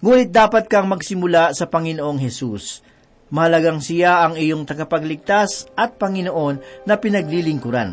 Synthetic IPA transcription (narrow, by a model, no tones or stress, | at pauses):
ŋuːnɪt̪̚d̪aːpɐt̪̚kɐŋmɐɡsɪmʊlasɐpɐŋɪnoʔo̞ŋɦɛsus | mɐhɐlɐɡaŋsɪjaʔɐŋɪjo̞ŋt̪ɐɡɐpɐɡlɪɡ̚t̪asʔɐt̪̚pɐŋɪno̞ʔo̞nːɐpɪnɐɡ̚lilɪŋkʊɾa̰n